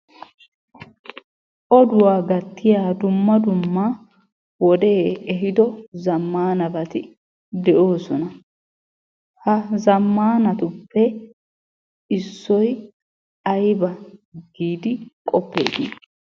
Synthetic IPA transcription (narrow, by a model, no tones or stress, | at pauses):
ʔɔd̪ʊwaːɡɐt̪ːɪjaːd̪ʊmːɐd̪ʊmːa | wɔd̪e̞ːɛɦɪd̪ɔzɐmːaːnɐbɐt̪ɪ | d̪ɛʔo̞ːsɔnɐ | hɐzɐmːaːnɐt̪ʊpːɛ | ɪsːɔj | ɐjbɐɡiːd̪ɪkʼɔpːḛːɡ̪ḭː